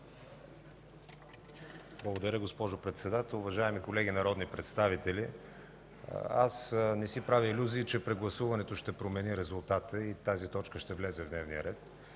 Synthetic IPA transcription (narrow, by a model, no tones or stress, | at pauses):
blˠɐɡod̪ɐɾʲəɡospɔʒopɾɛt̪sɛd̪at̪ɛlˠʊvɐʒaɛmikolɛɡʲinɐɾɔd̪nipɾɛt̪st̪avit̪ɛlʲḭ | a̰snɛsipɾaviːlʲuziːt͡ʃɛpɾɛɡlˠɐsuvɐnɛt̪oʃt̪ɛpɾomɛniɾɛzulˠt̪at̪əit̪azit̪ɔt͡ʃkəʃt̪ɛvlʲɛzɛvd̪nɛvnijə̰ɾɛt̪